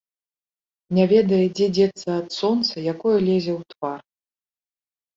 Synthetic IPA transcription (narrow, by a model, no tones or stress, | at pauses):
nʲavʲɛd̪ɐjɛd͡zʲɛd͡zʲɛt̪sɐːt̪sɔnt̪sɐjakɔjɐlʲezʲɛwt̪var